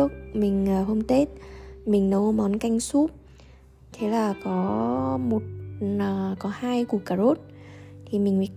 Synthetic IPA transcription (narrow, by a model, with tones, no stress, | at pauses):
ək̚mï˨˩ŋ̟əː˨˩ɦo˧wŋ͡mt̪e˦˥t̚mï˨˩ŋ̟nə˨˦wmɔ˨˦nka˧jŋ̟su˦˥p̚ | t̪ʰe˨˦laː˨˩kɔ˨˦mo˨˩t̚ː | kɔ˨˦haː˧jku˧˩kaː˧˩zo˦˥t̚t̪ʰi˨˩mï˨˩ŋ̟wi˨˦